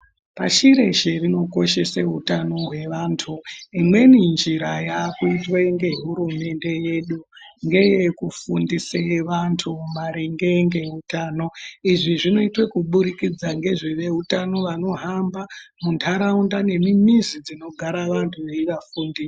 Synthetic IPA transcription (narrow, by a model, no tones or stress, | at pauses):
paʃiɾe̞ʃerino̞ko̞ʃe̞seɦutano̞ɦwe̞ʋaːntʰuimwe̞nind͡ʒiɾajakuitweŋɡe̞ɦuɾume̞nde̞je̞ɗuŋɡe̞je̞kufundiseʋantʰumaɾiŋɡeŋɡe̞ɦutaːno̞iʐiʐino̞itwekuɓuɾikid͡zaŋɡe̞ʐiʋe̞ɦutano̞ʋano̞ɦambamuntʰaɾaundane̞mimizid͡zino̞ɡʱaɾaʋantʰuʋeiʋafuːndis